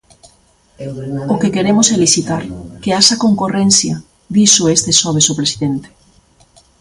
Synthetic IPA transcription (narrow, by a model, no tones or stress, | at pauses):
okekeɾemosɛlisit̪aɾkeasakoŋkorɛnθja | ðisʊest̪esɔβ̞esopɾesiðent̪e̥